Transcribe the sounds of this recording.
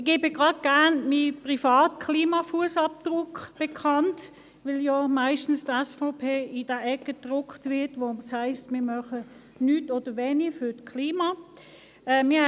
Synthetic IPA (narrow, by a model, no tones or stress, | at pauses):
ɪɡɪbɪɡʁɑdɡ̥æɐnmipʁifɑːtkʰliːmɑfuəsɑp̚d̥ʁʊkb̥ekʰɑnt | vɪljamaɪʃtn̩stɛsfɔʊpʰeːɪd̥əʔɛkəd̥ʁʊktvɪɐtʋoshaɪstmɪːɐmœχə | nyːtoːd̥əʋeːnifytkʰliːmɑ | ɛmɪɐ